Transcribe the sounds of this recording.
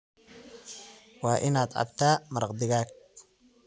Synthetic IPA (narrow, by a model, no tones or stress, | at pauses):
wɑːʔɪnaːd̪ʕɑ̰bt̪ʰaːmɐɾɑqd̪ɪɣaːɡ̚